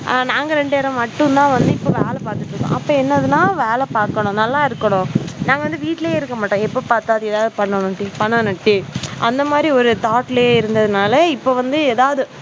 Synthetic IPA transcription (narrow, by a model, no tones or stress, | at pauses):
naːŋɡɐɾɛɳɖeːɾɐ̃mmɐʈːɯ̃t̪ãːʋɐnd̪ɯɪpːoːʋeːlɛpaːɾt̪ɯʈːɾɯkːõ̰ːʔɐpːoːɛnːɐðɯnãːʋeːlɛpaːɾkɐɳʊ̃nɐlːaːɪɾɯkːɐɳʊ̃ːnãːŋɡɐʋɐnd̪ɯʋiːʈːɪleːɪɾɯkːɐmaːʈːɐ̃ːɛpːopaːɾt̪aːðɯeːðaːʋðɯpɐɳːɐnɐʈːipɐɳːɐnɐʈːiʔɐnd̪ɐmaːd̪ɾiɔɾɯt̪aːʈɪleːɪɾɯnd̪ɐðɯnaːlɐɪpːoːʋɐnd̪ɯeːðaːʋɐðɯ